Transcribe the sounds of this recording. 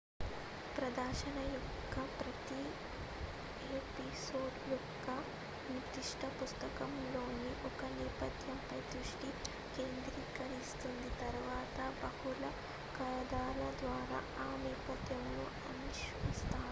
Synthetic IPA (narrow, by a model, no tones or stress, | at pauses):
pɾɐd̪ɐɾʃɐnɐjɔkkːɐpɾɐt̪i | eːpisoːɖjɔkːɐ | nit̪iʂʈʰɐpust̪ɐkɐmloːniʔɔkɐnɛːpɐt̪jɐmpɐjd̪ɾuʂʈi | keːnd̪ɾiːkɐɾist̪und̪it̪ɐɾʋaːt̪ɐbɐhulɐ | kɐlɐd̪aːlɐd̪ʋaːɾa̰ːʔaːnɛːpɐt̪jɐmnu | ɐniʃist̪aːu